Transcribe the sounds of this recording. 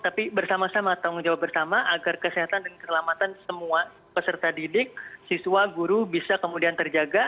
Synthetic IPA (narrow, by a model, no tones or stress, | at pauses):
t̪apibərsamasamat̪aŋd͡ʒawap̚bərsamaʔaɡarkəsiɦat̪andəŋkəsəlamat̪ansəmua | pəsərt̪adidɪk̚sisuwaɡuɾubisakəmudiant̪ərd͡ʒaɡa